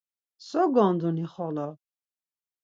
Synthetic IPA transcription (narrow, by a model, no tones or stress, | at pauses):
sɔɡɔnd̪uniχɔlɔ